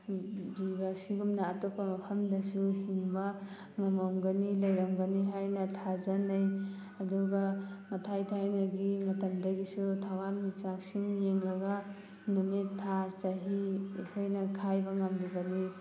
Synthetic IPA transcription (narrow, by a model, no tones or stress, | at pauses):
dibasiɡumnaːtopʰːɐmɐpʰɐmdɐsuhiŋba | ŋɐmamɡɐnilɐjɾamɡɐniɦajnɐtʰazɐnːɐj | ɐduɡamɐtʰajtʰajnɐɡimɐtɐmdɐɡisutʰawanmit͡ʃak̚siŋjeŋɾɐɡa | numittʰːat͡ʃaɦiḛkʰojnɐkʰajbɐŋambibani